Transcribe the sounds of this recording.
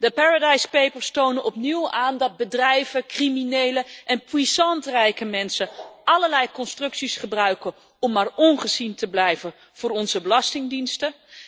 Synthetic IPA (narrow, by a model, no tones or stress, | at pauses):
dəpaːɹadɑjspejpəɹstownənɔpniwaːndɑd̚bədrɛjvəkriminejləʔɛnpwisɑntrɛjkəmɛnsəɑləɹlɛjkɔnstrɵksisχəbrœɥkə | ɔmːaːɹɔnχəzintəblɛjvən | v̥ʊːrɔnzəbəlɑstɪŋdinstə